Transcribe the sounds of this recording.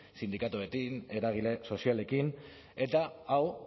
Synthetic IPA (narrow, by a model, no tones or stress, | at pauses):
sind̪ikat̪uet̪ine̞ɾaɣ̞ile̞so̞siale̞kin | e̞t̪aaw